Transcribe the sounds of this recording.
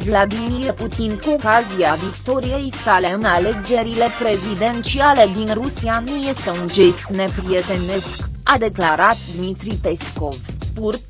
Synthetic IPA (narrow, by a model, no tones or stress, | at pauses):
vlad̪imirput̪inkuo̞kazijavikt̪o̞ɾije̞jsale̞ɨnale̞d͡ʒe̞ɾile̞pɾe̞zid̪e̞nt͡ʃiale̞d̪inrusianuje̞st̪e̞und͡ʒe̞st̪ne̞pɾiet̪e̞ne̞skad̪e̞klaɾat̪̚d̪mit̪ɾipe̞sko̞vpurt̪